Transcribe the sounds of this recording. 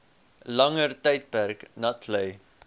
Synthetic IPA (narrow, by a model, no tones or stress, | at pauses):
lɐŋərtɛjt̚pærknɐtʰləj